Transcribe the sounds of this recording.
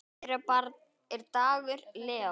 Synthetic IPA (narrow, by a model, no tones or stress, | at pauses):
ɾapaɾð | ɛɾt̪aːɣʏɾlɛːa